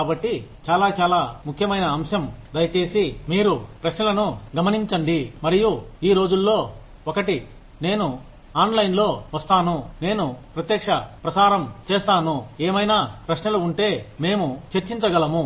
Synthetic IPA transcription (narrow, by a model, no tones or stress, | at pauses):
kaːbɐʈːit͡ʃaːlaːt͡ʃaːlaːmukʰjɐmɐjnɐːmʂɐmd̪ɐjɐt͡ʃe̞ːsimiːɾupɾɐʃnɐlɐnuɡɐmɐniɲt͡ʃɐɳɖimɐɾijuiːɾo̞ːd͡ʒulːo̞ː | ɔkɐʈi | ne̞ːnu | aːnlɐjnlo̞ːʋɐst̪aːnune̞ːnupɾɐt̪jɐkʂɐpɾɐsaːɾɐmt͡ʃeːst̪aːnueːmɐjnaːpɾɐʃnɐluuɳʈe̞ːme̞ːmut͡ʃeɾt͡ʃiɲt͡ʃɐɡɐlɐmu